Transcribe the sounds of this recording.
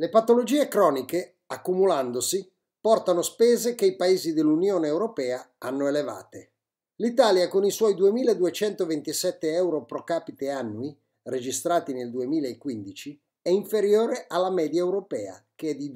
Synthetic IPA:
lepat̪olod͡ʒiːekɾɔːnike | akːumuland̪osi | pɔrt̪anospɛːzekeipaeːzid̪elːunjoːneewɾopɛːaanːoeleva̰ːt̪e | lit̪aːljakoniswɔjd̪uemiːlaed̪uet͡ʃɛnt̪ovent̪isɛt̪ːeɛwɾopɾokaːpit̪eanːui | red͡ʒist̪ɾaːt̪ineld̪uemiːlaekːwind̪it͡ʃi | ɛiɱfeɾjoːɾeʔalːamɛːd̪jaewɾopɛːa̰k̟eɛd̪i

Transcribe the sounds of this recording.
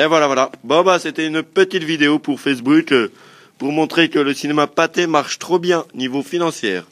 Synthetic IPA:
evwalavwalabɔ̃baset̪ɛynpət̪it̪vid̪eopuʁfes̬buk | puʁmɔ̃t̪χekələsinemapat̪emaʁʃt̪χobjɛ̃onivofinɑ̃sjɛːʁ

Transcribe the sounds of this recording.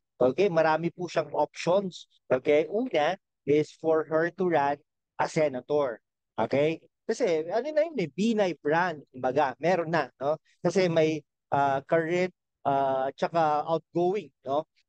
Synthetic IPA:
ʔoːkejmɐɾaːmɪpuʃɐŋʔop̚ʃons | ʔoːkɛjʔuːnɐ | ʔɪsfɔɹɦɛɹt̪ʊɹan̚ | ʔɐsɛnɐt̪oɹ | ʔoːkɛj | kɐsɛɐnonɐjʊnɐbiːnɐjpɹand̪̚kʊmbɐɡamɛːɾonːɐno̞ | kɐsɛmɐj | ʔakɐɹɛnt̪̚ | ʔaːt͡ʃɐkaʔawt̪̚ɡowɪŋno̞

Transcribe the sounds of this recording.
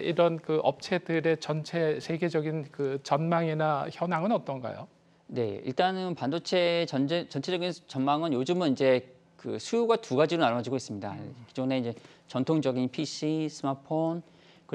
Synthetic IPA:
iɾʌnkɯʔʌp̚t͡ɕʰe̞dɯɾe̞t͡ɕʌnt͡ɕʰesʰe̞ɡe̞d͡ʑʌɡinkɯt͡ɕʌnmaŋinaçjʌnaŋɯnʌt͈ʌnɡa̰jo̰ | ne̞̰ḭɭt͈anɯnpandot͡ɕʰe̞ʌd͡ʑt͡ɕʌnt͡ɕʰe̞d͡ʑʌɡint͡ɕʌnmaŋɯnjod͡ʑɯmɯnind͡ʑe̞ | kɯsʰujuɡatuɡad͡ʑiɾonaɭad͡ʑiɡois͈ɯmɲida̰kid͡ʑone̞ind͡ʑe̞t͡ɕʌntʰoŋd͡ʑʌɡinpʰiɕ͈ʰisʰɯmapʰon | kɯ

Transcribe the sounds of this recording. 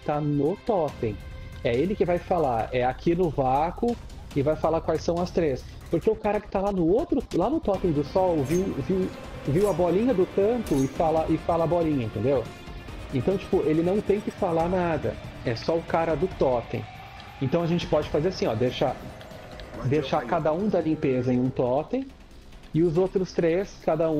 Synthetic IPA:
t̪anʊt̪ɔt̪ẽj̃ | ɛelɪkɪvajfalaɾɛakʰinʊvakʊ | ɪvajfalakwajsɐ̃w̃ɐst̪ɾes | poɾkeʊkaɾɐkɪ̥t̪alanʊot̪ɾʊlanʊt̪ɔt̪ẽj̃d̪ʊsɔwviwviw | viwɐbɔlĩɲɐd̪ʊk̪ɐ̃t̪ʊɪfalɐʔɪfalɐːbɔlĩɲɐẽt̪ẽnd̪ew | ẽnt̪ɐ̃w̃t͡ʃi̥pʊelɪnɐ̃w̃t̪ẽj̃kɪfalaɾnad̪ɐ̰ɛsɔʊkaɾɐd̪ʊt̪ɔt̪ḛ̃j̃ | ẽnt̪ɐ̃w̃ɐʒẽnt͡ʃɪ̥pɔd͡ʒɪfazeɾasĩɔ̰d̪eʃa | d̪ejʃakad̪ɐũd̪ɐlĩmpezɐẽj̃ũt̪ɔt̪ẽj̃ | ɪʊzowt̪ɾʊst̪ɾeskad̪ɐũ

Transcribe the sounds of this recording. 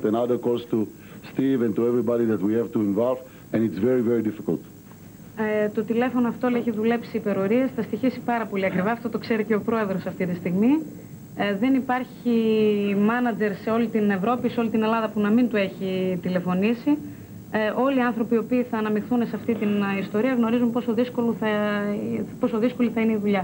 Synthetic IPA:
t̪ẽnaðəɾkost̪u | st̪ivɛ̃nt̪uevɾibadiðɐt̪wihɛvt̪uĩnvalv | ẽnitsveɾiveɾidifikɐ̰lt̪ | t̪o̞t̪ile̞fo̞noɐft̪olieçiðule̞psiːpe̞ɾo̞ɾiesθɐst̪içisi̥pɐɾɐpo̞liɐkɾivɐɐft̪o̞t̪o̞kse̞ɾice̞opɾo̞e̞ðɾo̞sɐft̪it̪ist̪iɣmi | ðe̞nipɐɾçimɐnɐd͡ze̞ɾse̞o̞lit̪ine̞vɾo̞piseo̞lit̪ine̞lɐðɐpunɐmint̪ue̞çit̪ile̞fo̞nisi | ʔo̞liɐnθɾo̞pio̞piːθɐːnɐmixθune̞seɐft̪it̪inist̪o̞ɾiɐɣno̞ɾizumpo̞so̞ðisko̞loθɐ | po̞soðisko̞liθɐineiðuʎɐ

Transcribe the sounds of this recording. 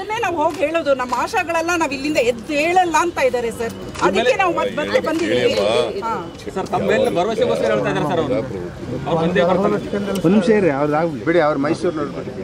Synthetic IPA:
ɐnːeːnaːʋɦo̞ːɡɦe̞ːɭoːd̪unɐmːaːʃɐɡɐɭɐlːɐnaːʋilːind̪ɐed̪ːeːɭɛlːɐːnt̪aːjid̪aːɾesɐɾ | ɐd̪ikkːenaːʋmɐt̪bɐebɐnd̪id̪iɦaː | sɐɾt̪ɐmmeːlɐbɐɾɐʋɐseɡoːsɐɾɐeɦeːɭt̪aːjd̪aɾsɐɾɐʋɾ | ɐɐɐɐkɐɳɐonːimʂɐiɾeɐʋɐɾd̪aːɡbiɽiɐʋɐɾumɐjsuɾnoːɽbei

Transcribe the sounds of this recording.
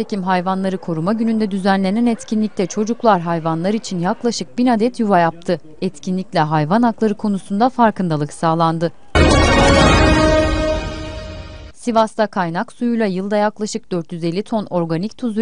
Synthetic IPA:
ecimɦajvanlˠaɾɯkʰo̞ɾumaɟynynd̪ɛd̪yzænlʲe̞nɛnɛt̪cʰinlʲic̚lʲɛt͡ʃʰo̞d͡ʒuklˠaɾɦajvanlˠaɾit͡ʃʰinjaklˠaʃɯk̚binad̪ɛt̪ʰjuvajap̚t̪ʰɯ | ɛt̪cʰinlʲicʲlʲɛɦajvanaklˠaɾɯkʰo̞nusund̪afaɾkɯnd̪alˠɯksaːlˠand̪ɯ | sivast̪akʰajnaksujujlˠajɯlˠd̪ajaklˠaʃɯk̚d̪øɾt̪jyzelʲːit̪ʰo̞no̞ɾɡanict̪ʰuz

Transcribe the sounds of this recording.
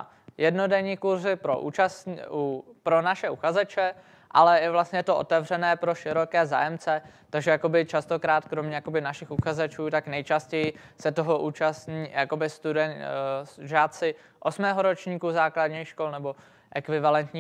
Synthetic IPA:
jɛdno̞dɛɲiːkuɾzɪpɾo̰ʔṵːt͡ʃasupɾo̞naʃɛʔuxazɛt͡ʃɛ | ʔa̰lɛjɛvlast̪ɲɛjɛt̪oʔo̰t̪ɛvr̝ɛnɛːpɾoʃɪɾo̞kɛːza̰ːjɛmt͡sɛ | t̪aɡʒɛjako̞bɪt͡ʃast̪o̞kɾaːt̪kɾo̞mɲɛjako̞bɪnaʃɪxʔuxazɛt͡ʃuːt̪aknɛjt͡ʃascɛjɪsɛt̪oɦo̞ʔuːt͡ʃast̪ɲiːjako̞bɪst̪udɛsʒaːt̪sɪ | ʔosmɛːɦoɾo̞t͡ʃɲiːkuzaːkladɲixʃko̞lnɛbo̞ | ʔɛkvɪvalɛnt̪ɲiː

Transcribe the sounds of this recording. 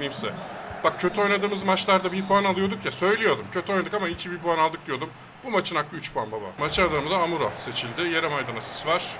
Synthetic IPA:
imsɛb̥ak̚cʰːø̞t̪ʰyo̞jnad̪ɯːmɯzmat͡ʃlˠaɾd̪abipʰuanalˠɯjo̞d̪ukjasø̞jlʲejo̞d̪umcʰøt̪ʰyo̞jnad̪ɯkamaicʰibipʰuanalˠd̪ɯk̚d̪ijo̞d̪um | bumat͡ʃʰɯnaklˠɯyt͡ʃpʰuanbaba̰mat͡ʃʰɯnad̪amɯzaːmuɾase̞t͡ʃʰilʲd̪ɪje̞ɾɛmajd̪anasɯ̥sɯvaɾ̥

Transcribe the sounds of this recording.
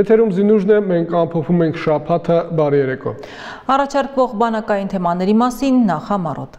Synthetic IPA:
jɛt̪ʰɛɾumzinuʒnɛmɛŋkʰɑmpʰɔpʰumɛŋkʰʃɑpʰɑt̪ʰəbɑrijɛɾɛkʰɔ̰ | ɑrɑt͡ʃʰɑɾkvɔʁbɑnɑkɑjint̪ʰɛmɑnɛɾimɑsinːɑχɑmɑrɔ̰t̪ʰ

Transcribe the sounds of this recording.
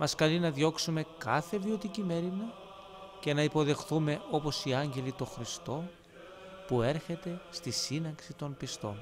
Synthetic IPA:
mɐskɐlinɐðʝo̞ksume̞kɐθe̞vio̞t̪icime̞ɾinɐ | ce̞nɐipo̞ðe̞xθume̞ʔo̞po̞siɐɲɟe̞lit̪o̞xɾist̪o̞ | pue̞ɾçe̞t̪e̞st̪isinɐksit̪o̞npist̪o̞̰n

